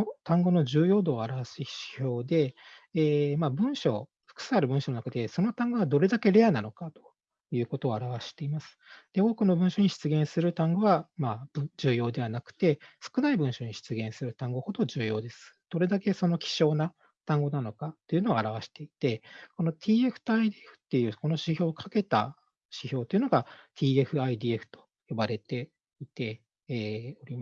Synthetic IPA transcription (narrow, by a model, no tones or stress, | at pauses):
ot̪ãŋɡo̞no̞ʑɨːjo̞ːd̪o̞ːaɾaβaɕii̥ço̞ːd̪e̞ː | maːbɯ̟̃ɰ̃ɕo̞̰ː | ɸɯ̟̥kɯ̥saɾɯ̟bɯ̟̃ɕononakat̪eso̞no̞t̪ãŋɡo̞βad̪o̞ɾe̞d̪ake̞ɾe̞anano̞kat̪o̥ | jɯ̟ːko̞t̪o̞ːaɾaβaɕi̥t̪e̞imasɨ̥d̪̥e̞o̞ːkɯ̟no̞bɯ̟̃ɕo̞ɲ̟iɕi̥t͡sɨɡẽɰ̃sɨɾɯ̟t̪ãŋɡo̞βamaːb̥ɯd͡ʑɨːjo̞ːd̪e̞β̞anakɯ̟̥t̪e̞sɨ̥kɯ̟naibɯ̟̃ɰ̃ɕo̞ɲ̟iɕi̥t͡sɨɡẽ̞ɰ̃sɨɾɯ̟t̪ãŋɡo̞ho̞d̪o̞d͡ʑɨːjo̞ːd̪e̞sɨ̥d̪̥o̞ɾe̞d̪ake̞so̞no̞kʲi̥ɕo̞ːna | t̪ãŋɡo̞nano̞kat̪ːe̞iɯ̟no̞ɡaɾaβ̞aɕi̥t̪e̞it̪e̞ko̞no̞t̪ʲʰiːe̞ɸɯ̟̥t̪aid̪iːeɸɯ̟̥t̪ːe̞jɯ̟ːko̞no̞ɕiço̞ːkʰake̞t̪a̰ | ɕiço̞ːt̪oiɯ̟no̞ɡat̪ʰʲiːe̞ɸɯ̟aid̪ʲiːe̞ɸɯ̥t̪o̥ | jo̞baɾe̞t̪e̞ | it̪e̞ː | o̞ɾʲima